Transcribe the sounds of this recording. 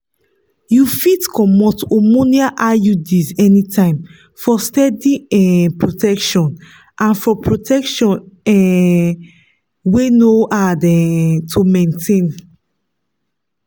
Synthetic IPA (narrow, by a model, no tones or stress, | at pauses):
jufitkʰɔmɔtomoniaʔajudizɛnitʰãɪ̃m | fɔstɛdiɛ̃pɹotɛkʃɔ̃n | ʔãnfɔpɹotʰɛkʃɔ̃nɛ | wenoʔadɛtʰumẽntʰẽn